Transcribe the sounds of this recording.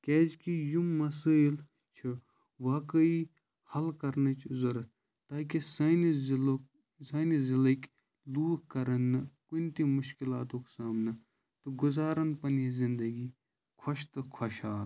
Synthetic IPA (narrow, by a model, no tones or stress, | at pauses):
kʲeːd͡ʒkijumːɐs̬əjl | t͡ʃʰu | ʋaːkəi | hɐlkɐɾnɐt͡ʃʰzɐɾɐt̪ | t̪aːkisɐnzl | sɐːnizilɐkʲ | luːɦkɐɾɐnːɐkunt̪imʊʃkilaːt̪õːksaːmnɐ | t̪uɡʊzaːɾɐnpɐnjezɪnd̪ɐɡi | kʰɐʃt̪ɨkʰɐʃaːl